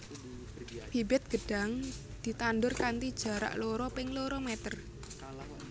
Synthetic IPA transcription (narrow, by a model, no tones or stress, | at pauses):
pibɪt̪̚ɡ̥ə̤ɖ̥a̤ŋ | d̪̥i̤t̪anɖʊrkant̪id̥ʒ̥a̤ɾa̰ʔloɾɔpɪŋloɾɔmɛt̪ər